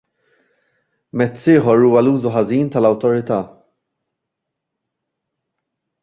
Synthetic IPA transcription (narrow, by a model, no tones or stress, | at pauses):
mɛt͡sːɪːħɔɾuːwɐluːzuħɐziːnt̪ɐlɐwt̪ɔɾɪt̪ɐː